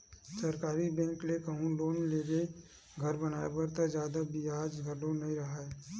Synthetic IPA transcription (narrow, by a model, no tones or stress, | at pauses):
sɐɾkaːɾibɛ̃ːŋklekɐɦũloːnleːɡe | ɡʱɐɾbɐnaːebɐɾt̪ad͡ʒjaːd̪abiaːd͡ʒɡʱɐɖonɐɦĩɾɐɦaɛ